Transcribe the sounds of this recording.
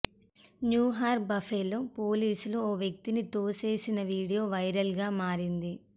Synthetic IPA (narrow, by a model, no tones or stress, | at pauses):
njuːɦaːɾbɐfeːloːpoːliːsuluoːʋjɐk̚t̪init̪o̞ːse̞ːsinɐʋiːɽijo̞ːʋɐjɾɐlɡaːmaːɾind̪i